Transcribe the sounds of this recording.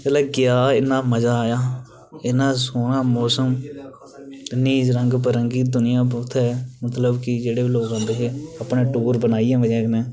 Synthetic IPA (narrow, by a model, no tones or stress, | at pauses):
ət̪lɛːkɪjaːɪnãːməzaːjaː | ɪnãːsoːnãːmɔːsəm | ɪnːiːd͡ʒɾəŋɡpəɾəŋɡiːd̪ʊnɪjãːp̬ʊt̪ʰɛːmət̪ləbkɪd͡ʒeːɽeːloːɡãːd̪eɦeːəpnẽːʈuːɾbənaːiːɛ̃ːʋəd͡ʒãːknɛ̃ː